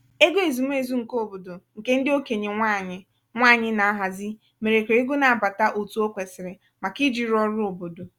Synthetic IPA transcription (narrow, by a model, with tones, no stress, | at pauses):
e˦ɡo˦e˨zu˨m̩˦e˨zu˦ŋ̩˨ko˦o˨bo˨do˨ŋ̩˨ke˦n̩˦dɪ˦o˦ke˨ɲe˨ŋʷa˦˨ɲɪ˨ | ŋʷa˦˨ɲɪ˦na˨a˦ɦa˨zɪ˦ | me˨ɾe˨kʷe˨˦e˦ɡo˦na˨a˨ba˨ta˦ʔo˨tu˦o˦kʷe˨sɪ˨ɾɪ˨ | ma˨ki˦d͡ʒi˨ɾɔ˦ɾʊ˦o˨bo˨do˨